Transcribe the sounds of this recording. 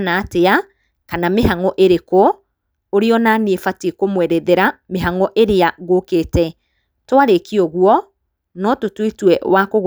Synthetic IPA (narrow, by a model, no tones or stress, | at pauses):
naːtea | kanameɦaŋɔʔeɾeko | oɾeɔnaniefatekomwɛɾɛðɛɾameɦaŋɔʔeɾeaɣoketɛ | twaɾekiɔɣwɔ | nɔtotwetwɛwakoɣ